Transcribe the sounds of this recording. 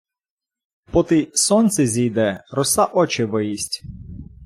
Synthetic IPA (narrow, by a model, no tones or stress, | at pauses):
pɔt̪ɪsɔnt̪sʲɛzʲijd̪ɛɾɔsɑʔɔt͡ʃɪʋɪjisʲtʲ